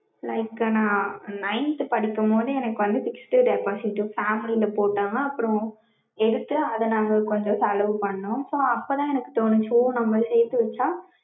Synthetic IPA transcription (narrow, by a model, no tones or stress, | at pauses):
lɐɪkːnãːnɐɪnt̪ɯpɐɽɪkːɐmboːðɯɛnɐkːɯʋɐnd̪ɯfɪksʈɯɖɐɪpaːsɪʈːɯfaːmɪlilɐpoːʈːaːŋɐɐpːɯɾɔ̃ | ɛɽɯt̪ːɯɐðɐnaːɣɐkɔɲd͡ʒɔ̃sɐlɐʋɯpɐɳɐːʊ̃soːɐpːoːt̪ãːɛnɐkːɯ̥t̪oːnɯt͡ʃuːnɐmbɐɾsɛjt̪ːɯʋɛt͡ʃːaː